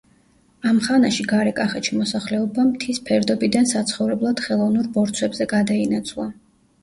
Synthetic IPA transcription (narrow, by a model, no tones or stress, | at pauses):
amχanaʃiɡaɾɛkʼaχɛt͡ʃʰimɔsaχlɛɔbamt̪ʰispʰɛɾd̪ɔbid̪ansat̪sʰχɔvɾɛblˠad̪̥χɛlˠɔvnuɾbɔɾt̪sʰwɛbzɛɡad̪ainat̪sʰvlˠa